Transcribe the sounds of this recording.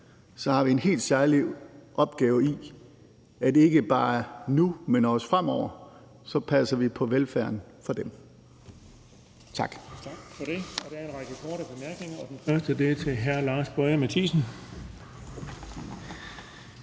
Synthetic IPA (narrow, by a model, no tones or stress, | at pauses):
sɒ̽hɑ̈ʋie̝nɦe̝̰ːld̥sæɐliʔɒ̽b̥̚ɡ̥ɛːʊi | æd̥eeɡ̥əb̥ɑ̈ːnumenɒsfʁam̰ɒʊ̰ɐ | sɒ̽pʰæsɐʋipʰɒ̽ʋelfæɐn | fɒ̽d̥em | t͡sʰɑ̈ɡ̥ʰfɒd̥e̝ɒd̥eæɐenʁɑɡ̥əkʰɔːɾəb̥e̝mæɐɡ̥ne̝ŋɐɒd̥enæsd̥ɐd̥et͡sʰe̝ɦæɐlɑ̈ːsb̥ɒɪəmæt͡sʰiːsn̩